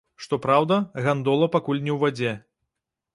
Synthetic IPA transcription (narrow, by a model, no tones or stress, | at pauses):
ʂt̪ɔpɾawd̪ɐɣand̪ɔlˠɐpakulʲnʲɛwvʲad͡zʲɛ